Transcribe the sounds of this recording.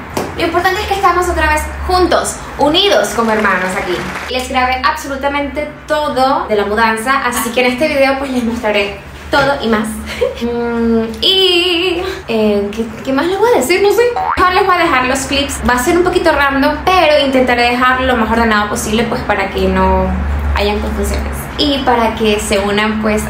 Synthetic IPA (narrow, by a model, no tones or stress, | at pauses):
lʔo̞impoɾt̪ant̪eeskest̪amo̞so̞t̪ɾaβe̞sxunt̪o̞s | uniðo̞sko̞moeɾmãnosakile̞sɣɾaβe̞ʔaβso̞lut̪amẽ̞nt̪e̞t̪o̞ðod̪e̞lamuðansaʔasikeːne̞st̪e̞βiðe̞o̞pwe̞slezmost̪ɾaɾe̞ | t̪o̞ðo̞ʔimas | i | ekeke̞masleβojaðesiɾnosexoɾlezβoaðe̞xaɾlo̞sklipsbase̞ɾumpo̞kit̪o̞rand̪o̞pe̞ɾo̞int̪e̞nt̪aɾeðe̞xaɾlo̞maso̞ɾðe̞nað̞opo̞siβle̞pwe̞spaɾake̞no̞a̰ʝaŋkoɱfunsjo̞̰ne̞̰s | ipaɾake̞se̞unampwe̞s